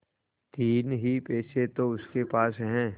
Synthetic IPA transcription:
t̪iːnɦipeːset̪oʊskepaːsɦɛ̃ː

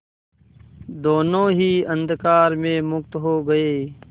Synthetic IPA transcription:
d̪oːnõːɦiːə̃nd̪kaːɾmẽmʊkt̪ɦoːɡəeː

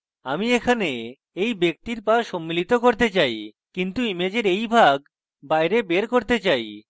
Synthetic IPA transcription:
amiekʰane | ejbek̚t̪iɾpaʃomːilit̪okoɾt̪et͡ɕaj | kint̪uimed͡ʑeɾejbʱaɡ | bajɾebeɾkoɾt̪et͡ɕaj

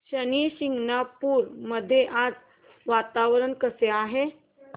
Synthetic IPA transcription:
ɕəniɕiŋɡnapuːɾməd̪ʱːjeʔad͡z | ʋat̪aʋɾəɳkəseaɦe

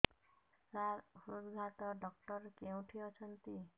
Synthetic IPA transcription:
saɾhɾod̪ɡʱaʈɔɖɔk̚ʈɔɾkeũʈʰiɔt͡ʃʰʌnt̪i

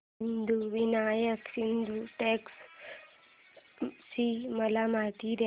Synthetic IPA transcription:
ind̪ʱuʋinajəksind̪ʱuʈeks | siməlamat̪iɾ

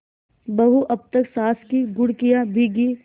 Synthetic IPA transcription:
bɐɦuʔɐb̚t̪ɐksaːskiɡʊɽkijabʱiɡi

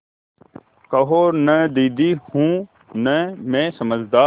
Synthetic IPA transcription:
kəɦoːɾnəd̪iːd̪iːhũː | nəmẽːsəməd͡ʒd̪aː

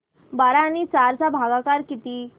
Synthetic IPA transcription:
baɾaːnit͡saɾt͡sabʱaɡakaɾkit̪i

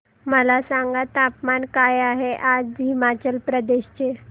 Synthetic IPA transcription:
məlasaŋɡat̪apmankajaɦeʔad͡zɦimat͡ɕəlpɾəd̪eɕt͡ɕe

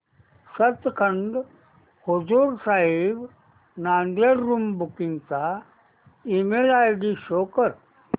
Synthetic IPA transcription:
sət̪kʰəɳɖ | hod͡zuːɾsaɦib | nand̪eɾːumbukint͡sa | imelajɖiɕokəɾ

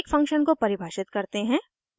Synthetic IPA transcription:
kfɐ̃ŋkʃənkopɐɾɪbʱaːʃɪt̪kɐɾt̪eɦɛ̃ː

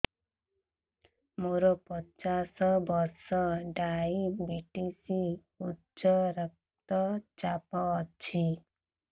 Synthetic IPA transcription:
moɾɔpɔt͡ʃasɔbɔɾsɔɖajibiʈisi | utːt͡ʃɔɾɔk̚ | t̪ɔt͡ʃapɔːt͡ʃʰi

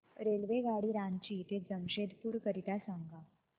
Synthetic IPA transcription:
ɾelʋeɡaɽiːɾãnt͡ɕiːt̪ed͡zəmɕed̪puːɾkəɾit̪asaŋɡa

